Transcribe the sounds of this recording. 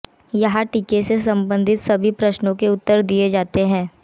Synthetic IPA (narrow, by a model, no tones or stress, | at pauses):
jɐɦãʈiːkesesɐ̃mbə̃nd̪ʱɪt̪sɐbʱipɾɐʃnõkeʊt̪ːəɾd̪ied͡ʒaːt̪eɦɛ̃ː